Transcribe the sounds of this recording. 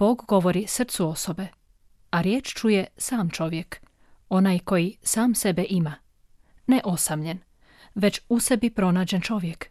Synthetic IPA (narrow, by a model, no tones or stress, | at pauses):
b̥o̞ːɡɡo̞ʋo̞ɾisr̩t̪suo̞so̞be̞ | aɾje̞ːt͡ʃt͡ʃuje̞saːmt͡ʃo̞ʋjek | o̞najko̞jisaːmse̞beʔima | neʔo̞samʎe̞n | ʋe̞t͡ɕuse̞bipɾo̞naːd͡ʑent͡ʃo̞ʋje̞k